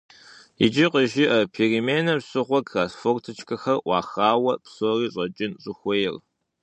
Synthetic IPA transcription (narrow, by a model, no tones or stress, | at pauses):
ḭd͡ʒɪqəʒɪʔɐpʰeːrimeːnɐɕʼɨʁʷɔkraːsfoːrtʰɨt͡ʃʰʼkʰɐxɐrʔʷɑ̰ːxaːwɐpsoriːɕʼɐt͡ʃʼɪnɕʼɨxʷɔjɪr